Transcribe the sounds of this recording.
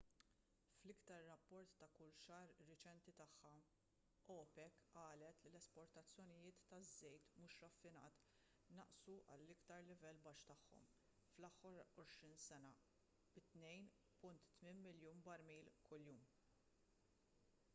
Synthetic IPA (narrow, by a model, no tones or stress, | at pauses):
flɪkt̪ɐɾːɐpːɔɾt̪ːɐkʊlʃɐːɾːɪt͡ʃɛnt̪it̪ɐħːɐ | ʔɔːpɛkɐːlɛt̪lilɛspɔɾt̪ɐt͡sːjɔnɪjɪːt̪ːɐzːɛjt̪muːʃɾɐfːɪnɐ̰ːt̪ | nɐʔsuʔɐ̰lːɪkt̪ɐɾlɪvɛlːbɐʃt̪ɐħːɔ̰m | flɐħːɔɾɔʃɾiːnsɛnɐ | b̥ɪt̪nɛjn | pʊnt̪ːmɪnmɪljuːnbɐɾmiːlkʊljuːm